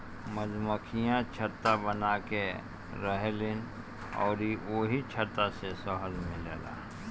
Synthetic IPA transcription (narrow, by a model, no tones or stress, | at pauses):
məzməkʰijãt͡ʃʰət̪ːabənaːke | ɾəɦelɪn | ɔ̰ːɾioːɦit͡ʃʰət̪ːasesɔɦəlmɪ̃leːla̰ː